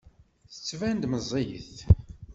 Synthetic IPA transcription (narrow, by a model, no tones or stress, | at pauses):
θə̥t͡sːvænd̪məzˤejə̰θ